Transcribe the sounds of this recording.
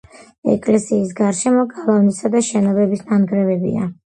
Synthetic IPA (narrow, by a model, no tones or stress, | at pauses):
ɛ̰kʼlɛsiːs̬ɡaɾʃɛmɔɡʼalˠavnisad̪aʃɛnɔbɛbisnanɡɾɛvɛbḭa̰